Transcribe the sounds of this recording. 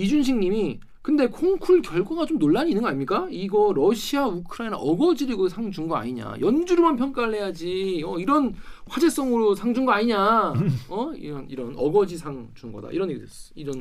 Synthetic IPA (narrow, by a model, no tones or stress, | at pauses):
id͡ʑunɕʰiŋɲimi | kɯnde̞kʰoŋkʰuɭkjʌɭɡwaɡat͡ɕomnoɭːaɲinɯnɡʌaɲimɲik͈aiɡʌɾʌɕʰiaukʰɯɾaina̰ʔʌɡʌd͡ʑiɾɯɡosʰaŋd͡ʑuŋɡʌa̰ɲiɲa̰jʌnd͡ʑuɾomanpʰjʌŋk͈aɾɯɭɦe̞jad͡ʑiʌiɾʌnɸwad͡ʑe̞s͈ʌŋɯɾosʰaŋd͡ʑuŋɡʌaɲiɲa | ʌḭɾʌnḭɾʌnʌɡʌd͡ʑisʰaŋd͡ʑuŋɡʌ̰da̰iɾʌnjeɡidwes͈iɾʌn